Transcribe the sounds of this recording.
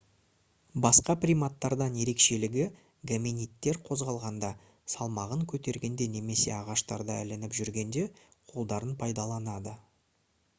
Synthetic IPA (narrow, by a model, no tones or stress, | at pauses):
bɑsqɑprʲijmat̪ːɑɾd̪ɑnje̞ɾe̞kʃe̞lɪɡʲɪ | ɡaminijt̪ːe̞ɾqʰo̞zʁɑlˠʁɑnd̪ɑ | sɑlˠmɑʁəŋkʲʰɵt̪e̞ɾɡʲe̞nd̪e̞ne̞me̞se̞̰ɑʁɑʃt̪ɑɾd̪ɑɪ̰lɪnɪpʒʏɾɡʲe̞nd̪e̞qʰo̞lˠd̪ɑɾənpʰɑjd̪ɑlˠɑnɑd̪ə